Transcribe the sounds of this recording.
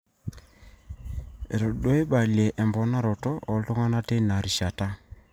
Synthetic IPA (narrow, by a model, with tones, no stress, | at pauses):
ḛ˨ɾo˨ɗo˦e˦ɓa˨lje˨ʔɛ˨mbɔ˨˦na˦ɾɔ˨tɔ˦ʔɔ˨˦lto˦ŋa˦na˦te˦na˨ɾi˨ʃa˨ta˦